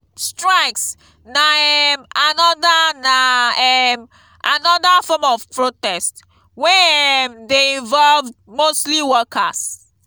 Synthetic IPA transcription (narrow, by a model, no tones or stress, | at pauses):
stɹaɪks | naɛmanɔdanaɛm | ʔanɔdafɔmɔv̥pɹotɛst | wɛmdeĩnvɔlvdmostliwɔkʰas